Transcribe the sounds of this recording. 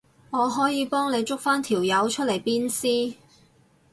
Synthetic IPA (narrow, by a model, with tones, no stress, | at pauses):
ŋɔː˨˧ɦɔː˨˥jiː˨˧pɔː˥ŋne˨˧jt͡sʊ˥k̚faː˥nt̪ʰiː˨˩wjɐ˨˧wt͡ʃʰɵ˥le˨˩jpiː˥nsiː˥